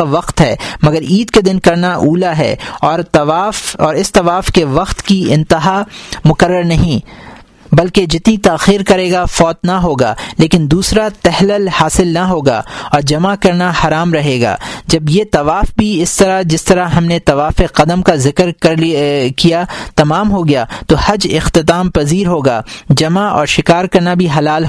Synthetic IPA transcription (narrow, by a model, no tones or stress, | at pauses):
aʋɐqt̪ɦɛːmɐɡəɾiːd̪ked̪ɪnkɐɾnaʔuːlaɦɛ̰ːɔːɾt̪ɐʋaːfɔːɾɪst̪ɐʋaːfkeʋɐqt̪kiɪ̃nt̪ɪɦamʊkəɾːəɾnɐɦĩ | bɐlked͡ʒɪt̪nit̪aːxiːɾkɐɾeːɡafɔːt̪naɦoːɡa̰ːleːkɪnd̪uːsɾat̪ɛɦləlhaːsɪlnaɦoːɡa̰ːɔːɾd͡ʒɐmakɐɾnahɐɾaːmɾɐɦeːɡa̰ːd͡ʒɐbjet̪ɐʋaːfbʱiɪst̪ɐɾad͡ʒɪst̪ɐɾaɦɐmnet̪ɐʋaːfeqɐd̪əmkazɪkɾɐɾkijat̪ɐmaːmɦoɡɐjaːt̪ohɐd͡ʒɪxt̪ɪt̪aːmpɐziːɾɦoːɡa̰ːd͡ʒɐmaʔɔ̰ːɾʃɪkaːɾkɐɾnabʱiɦɐlaːlɦ